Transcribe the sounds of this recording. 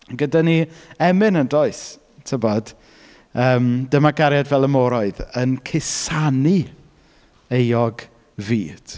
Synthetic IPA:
ɡədaniɛmɪnəndoɨs | tʰəbɔd̥ | əːmdəmaɡaɾjadvɛlˠəmɔɾɔɨðənkʰɪsani | ejɔɡ | viːd̥

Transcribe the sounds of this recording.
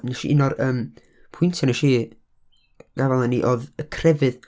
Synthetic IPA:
nɛʃḭʔɪnɔrəːm | pʰʊɨntʰanɛʃiː | ɡ̥avɛlˠaniʔoːðəkʰrɛvɨð

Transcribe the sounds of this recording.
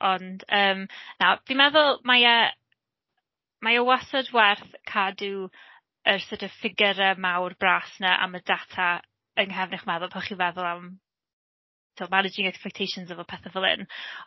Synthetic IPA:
ʔɔndəːmnavimɛðʊlˠmaja | majəwasɔdwɛrθkʰadu | ərsotʰɔv̥fɪɡəɾɛmawrbraːsnaʔa̰mədatʰa | əŋɦɛvnɪχmɛðʊlˠpʰɔχivɛðʊlˠam | tʰilˠmanɪd͡ʒɪŋɛkspɛk̚tʰejʃʊnzəvɔpʰɛθəvəlˠɪ̰n

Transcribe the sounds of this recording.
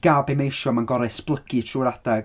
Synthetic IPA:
ɡ̥abemejʃɔmanɡɔɾɨsb̥lˠəkʰitʰruɾadɛɡ̥

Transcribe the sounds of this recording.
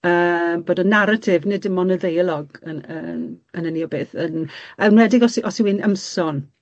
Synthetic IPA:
əːboːdənːaɾatʰɪvnɪdɪmɔnəðejəlˠɔɡənənənəniɔbeːθənɛwnwɛdɪɡɔsiʔɔsiwɪnə̰msɔn

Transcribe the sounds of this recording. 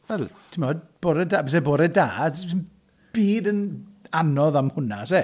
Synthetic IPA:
vɛlˠ | tʰɪmɔdb̥oːɾədabɛs̬ɛboːɾəda̰ːdn | b̥iːdənanɔðamhʊnase

